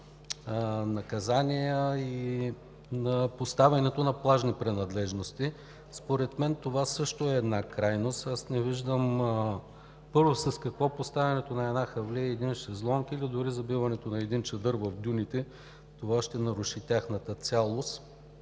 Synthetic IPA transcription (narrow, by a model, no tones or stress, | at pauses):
nɐkɐzanʲijəi | nɐpost̪avʲɐnɛt̪onɐplˠaʒnipɾɛnɐd̪lɛʒnost̪i | spoɾɛt̪mɛnt̪ovasɤʃt̪oɛːd̪nakɾajnost̪asnɛviʒd̪əm | pɤɾvosɐskɐkvɔpost̪avʲɐnɛt̪onɐɛd̪naxɐvliɛːd̪inʃɛzlˠɔŋkilid̪ʊɾizɐbivɐnɛt̪onɐɛd̪int͡ʃɐd̪ɤɾvɐfd̪ʲunit̪ɛ | t̪ovaʃt̪ɛnɐɾuʃit̪ʲaxnət̪ət̪sʲalˠost̪